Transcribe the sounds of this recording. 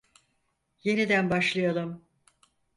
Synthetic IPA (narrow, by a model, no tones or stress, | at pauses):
je̞nid̪ænbaʃlˠɯjalˠum